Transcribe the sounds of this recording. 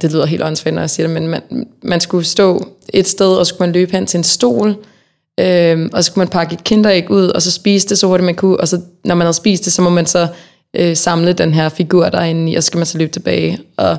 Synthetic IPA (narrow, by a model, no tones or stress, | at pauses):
d̥e̝lyð̰ˠɐɦḛːld̥ɒ̽n̩sfed̥nɒjäsiːɐɾ̥e̝menmænmænsɡ̥usd̥ɔ̰̽ːe̝d̥sd̥eð̞ˠɒsɒ̽skumænløːb̥hen̰t͡sʰe̝ensd̥o̝̰ːl | ʔømɒ̽sɒ̽skʰumænpʰɑ̈ɡ̥əed̥̚kʰend̥ɐeɡ̥uð̞̰ˠɒ̽sɒ̽sb̥iːsd̥e̝sɒho̝ɐɾ̥imænkʰuʔɒsɒ̽nɒmænhæð̩ˠsb̥ḭːsd̥e̝sɒ̽mɒ̽mænsɒ̽ | ʔøsɑ̈mləd̥enɦeɐfiɡ̥uɐ̰d̥ɑ̈e̝nn̩iʔɒsɒ̥̽sɡ̥æmænsɒ̽løːb̥t͡sʰe̝b̥ɛːɪʔɒ̽